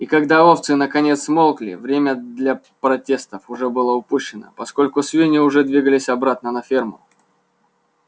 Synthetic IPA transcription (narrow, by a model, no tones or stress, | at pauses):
ikɐɡd̪aoft̪sɨnəkɐnʲe̞t̪smolˠklʲɪ̰vɾʲemʲəd̪lʲɐ | pɾɐtʲe̞st̪əfʊʐɛbɨlˠəʊpuɕːɪnə̰pɐsko̞lʲkʊsvʲinʲɪʊʐɛd̪vʲiɡəlʲɪsʲɐbɾat̪nənɐfʲermʊ̰